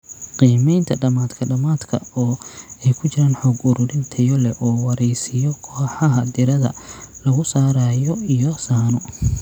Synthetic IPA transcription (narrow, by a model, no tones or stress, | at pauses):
qiːmɛjnt̪ʰɐɖɐmaːd̪kʰɐɖɐmaːd̪kʰɐ̰ɔːɛjkʰʊt͡ʃɪɾaːnħɔːɡʊɾʊɽɪnt̪ʰɐjɔlɛʔɔːwɑɾɛjsɪjɔkʰɔːħɑɦɐd̪ɪɾɐðɐ̰lɐɣʊsaːɾaːjɔijɔsaːnʊ